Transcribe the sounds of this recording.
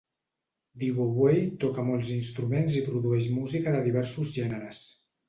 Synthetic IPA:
d̪iβoβwejt̪ɔkəmɔlˠzinst̪ɾumenzipɾuðuɛʃmuzikəðəðiβɛɾsuzʒɛnəɾəs

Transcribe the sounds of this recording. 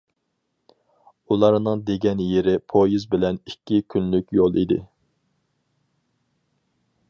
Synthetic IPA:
ulˠɑɾnɨŋd̪eɡʲɛnjeɾɪpʰojizbɪlɛnikʲːikʲʰynlykʲjolˠid̪ɪ̰

